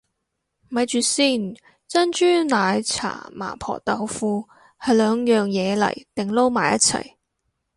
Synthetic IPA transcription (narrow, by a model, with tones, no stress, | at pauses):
mɐ˨˧jt͡ʃyː˨˧siː˥˩n | t͡sɐ˥nt͡ʃyː˥naː˨˧jt͡sʰa̰ː˨˩ma̰ː˨˩pʰɔ̰ː˨˩t̪ɐ˨˧wfuː˧ | hɐ˨jlœː˨˧ŋjœː˨ŋjɛː˨˧lɐ̰˨˩jt̪ɪ˨ŋlo˥wmaː˨˩jɐ˥t̚t͡sʰɐ̰˨˩j